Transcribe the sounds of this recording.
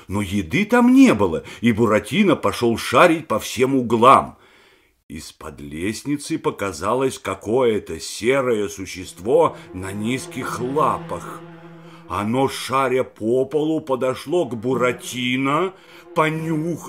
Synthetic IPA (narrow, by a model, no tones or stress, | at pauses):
nojɪd̪ɨt̪amnʲebɨlˠəibʊɾɐtʲinəpɐʂolˠʂaɾʲɪt̚ʲpɐfsʲe̞mʊɡlˠam | ḭspɐ̰d̪lʲesʲnʲɪt̪sɨpəkɐzalˠəsʲkɐko̞jət̪əsʲeɾəjəsʊɕːɪst̪vonɐnʲiskʲɪxlˠapəx | ɐnoʂaɾʲəpʰopəlˠʊpəd̪ɐʂlˠoɡbʊɾɐtʲinɐ | pɐnʲux